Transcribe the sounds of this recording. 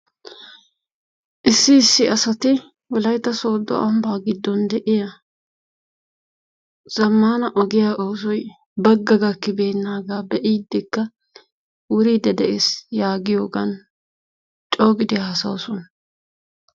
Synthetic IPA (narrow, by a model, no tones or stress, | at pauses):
ʔɪsːɪːsːɪɐsɐt̪ɪ | wɔlɐjt̪ːɐsoːd̪ɔ̰ʔɐmbaːɡɪd̪ːɔnd̪ɛʔɪjɐ | z̥ɐmːaːnɐʔɔɡɪjaʔoːsɔj | bɐɡːɐɡɐkːɪbeːnːaːɡaːbɛʔiːd̪ːɪkːɐ | wʊɾiːd̪ɛd̪ɛʔesjaːɡɪjo̞ːɡɐ̰n | t͡ʃʼoːɡɪd̪ɪjaɐsɐ̰wsɔn